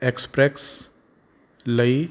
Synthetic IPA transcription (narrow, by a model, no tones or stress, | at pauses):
ekspɾeks | ləi